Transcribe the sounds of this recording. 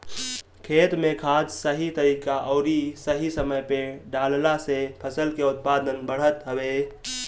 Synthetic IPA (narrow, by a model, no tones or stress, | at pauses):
kʰet̪mekʰad͡ʒsəɦit̪əɾikaʔəʊɾisəɦisəməjpeɖallasepʰəsəlkeut̪̚pad̪ənbəɽ̤ət̪ɦəbe